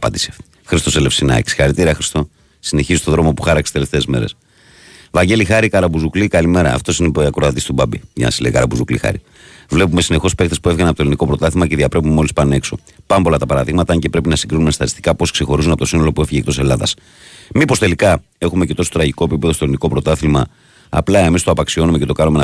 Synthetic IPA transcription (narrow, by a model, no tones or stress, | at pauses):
ɐpɐ̰d̪isiɐf | xɾist̪o̞sele̞fsinɐ̰si̥xɐɾit̪iɾiɐxɾist̪o̞ | sine̞çizist̪oðɾo̞mo̞pu̥xɐɾɐksst̪eleft̪e̞ːzme̞ɾe̞̰s | vɐɲɟe̞lixɐɾikɐɾɐbuzuklikɐlime̞ɾɐ̰ːft̪o̞sineɐkɾoɐt̪ist̪ubɐbiʝɐ̰nɐ̰sizleikɐɾɐbuzuklḭxɐ̰ɾḭ | vle̞p̬ume̞sine̞xo̞spe̞kt̪espue̞fɣɐnpot̪oliniko̞pɾo̞t̪ɐθimɐceðiɐpɾe̞pumeo̞lispɐne̞kso̞ | pɐmpo̞lɐt̪ɐpɐɾɐðiɣmɐt̪ɐɐɲce̞pɾe̞pinɐsiŋɡɾinumesɐt̪i̥st̪i̥kɐpo̞skse̞xo̞ɾuzunɐpot̪oino̞lo̞pue̞fiʝekt̪o̞se̞lɐðɐ̰s | mipo̞st̪e̞likɐ | e̞xume̞ce̞t̪o̞so̥t̪ɾɐʝiko̞e̞pipeðost̪oliniko̞pɾo̞t̪ɐθimɐ | ɐ̰plɐe̞mist̪oɐpɐksio̞nume̞cet̪o̞kɐnumen